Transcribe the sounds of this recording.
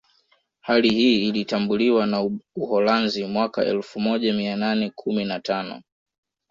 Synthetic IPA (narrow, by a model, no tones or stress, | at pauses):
halihiːlitambuliwanauhɔlanzimwaka̰ɛ̰lfumɔʄamiananɛkʰuminatanɔ̰